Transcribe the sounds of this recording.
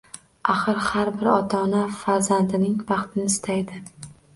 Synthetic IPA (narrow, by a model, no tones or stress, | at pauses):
aχɨɾhaɾbɪɾɒt̪ʰɒnafaɾzand̪ɪnɪŋvɑχt̪ʰɪnɪːst̪ʰajd̪ɪ